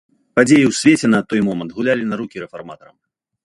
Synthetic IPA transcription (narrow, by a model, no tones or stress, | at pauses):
pad͡zʲejiwsʲvʲet͡sʲɛnɐt̪ɔjmɔmɐnt̪ɣulʲalʲinɐɾukʲiɾɛfarmat̪ɐɾɐ̰m